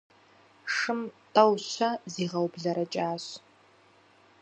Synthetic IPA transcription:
ʂɨmtʰʼɐwɕʷɐziːʁɐwbɮɐɾɐt͡ʃʼaːɕ

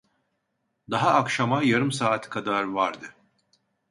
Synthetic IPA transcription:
d̪aɦaːkʃamajaɾɯmsaːt̪ʰɯ̥kʰad̪aɾvaɾd̪ɯ

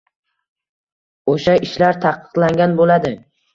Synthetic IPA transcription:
oʃaɪʃlaɾt̪ʰaqʰːɨ̥qlˠaŋɡʲanbolad̪ɪ

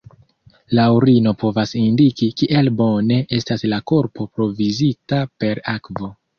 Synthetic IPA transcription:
lawɾino̞po̞vasindikikiʔe̞lbo̞ne̞ʔe̞staslako̞ɾpo̞pɾo̞vizitape̞ɾakvo̞

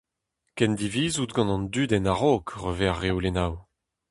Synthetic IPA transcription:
kɛnd̪iviːzut̪ɡɑ̃nɑ̃nd̪yd̪ɛnaʁokʁøvɛʁːewlenaw

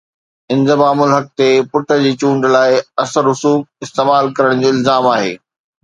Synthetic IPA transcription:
ɪ̃nd̪ə̆maːmʊlɦɐk̚t̪epʊʈʰə̆d͡ʑiːt͡ɕũːɳɖlaːɪɐsəɾɦʊsuːk̚ɪst̪eːmaːlkɐɾəɽ̃d͡ʑoːɪlzaːmaːɦḛː

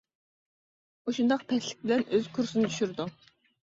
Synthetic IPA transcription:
oʃund̪ɑqpʰɛslɪ̥k̚ʲbɪlɛnøz̥kʰuɾsɨnɪt̪ʰyʃyɾd̪u

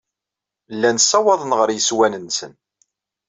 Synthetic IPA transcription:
lːænsːɑwɑðˤənʁəɾjəswænənsən

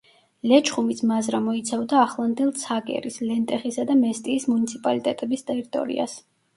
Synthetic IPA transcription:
lɛt͡ʃʰχumisʰmazɾamɔit̪sʰavd̪aːχlˠand̪ilˠt̪sʰaɡʼɛ̰ɾislɛnt̪ʼɛχisad̪amɛst̪ʼiːsmunit̪sʰipʼalit̪ʼɛt̪ʼɛbist̪ʼɛɾit̪ʼɔ̰ɾḭa̰s

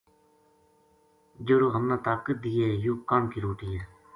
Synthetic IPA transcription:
d͡ʒoɾoːɦəmnaːt̪aːkəd̪ijeːjukaːmkiːɾoːʈiː

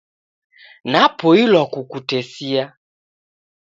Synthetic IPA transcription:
napɔilwakukutɛsia

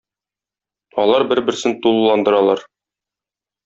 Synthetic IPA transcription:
ɒlˠɑɾbɘɾbɘ̆ɾsɘnt̪ulˠːɑnd̪ɤ̆ɾɑlˠɑɾ

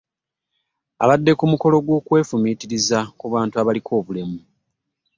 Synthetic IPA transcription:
a̰βadːe̞kumuko̞lo̞ɡwo̞ːkwe̞ːfumitiɾizakuβaːntuaβalikʰo̞ːβulemu

